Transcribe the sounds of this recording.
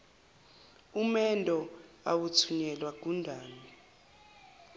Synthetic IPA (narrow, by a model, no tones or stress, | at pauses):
umɛndʱɔ | awut͡sʰuɲɛlwak̬undʱaːni